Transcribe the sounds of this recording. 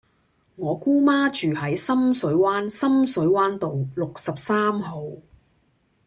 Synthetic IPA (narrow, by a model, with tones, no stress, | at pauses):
ŋɔː˨˧kuː˥maː˥t͡ʃyː˨hɐ˨˥jsɐ˥msɵ˨˥ɥwaː˥nsɐ˥msɵ˨˥ɥwaː˥nt̪o˨wlʊ˨k̚sɐ˨p̚saː˥mho˨˧w